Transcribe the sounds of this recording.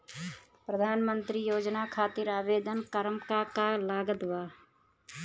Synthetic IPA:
pɾəd̪ʱaːnmə̃nt̪ɾijoːd͡ʒnakʰaːt̪ɪɾaːʋeːd̪ənkəɾəmkakalaːɡət̪ʋaː

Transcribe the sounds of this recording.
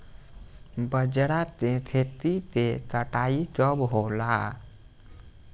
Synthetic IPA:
bəd͡ʒɽat̪et̪ʰet̪it̪et̪əʈait͡ʃɔbɦola

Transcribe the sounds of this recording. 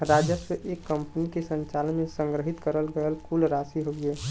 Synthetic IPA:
ɾaːd͡ʒəswəʔekːə̃mpnikesə̃ɲt͡ʃaːlənmẽsə̃ŋɡɾəɦɪt̪kəɾəlɡəəlkulɾaːsiɦoɡeː

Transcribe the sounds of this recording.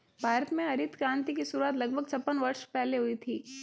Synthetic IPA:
bʱaːɾət̪mẽɐɾɪt̪kɾãːnt̪ikisʊɾuaːt̪lɐɡ̚bʱəɡt͡ʃʰɐpːənʋɐɾʃpɛɦleɦʊit̪ʰiː

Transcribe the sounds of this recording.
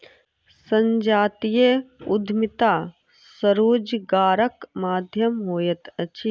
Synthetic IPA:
sɐ̃ɲd͡ʒaːt̪ijeʊd̪ʱmɪt̪aː | sɐɾuːd͡ʒɡaːɾəkmaːd̪ʱjɐmɦoːjɐt̪ɐt͡ʃʰi

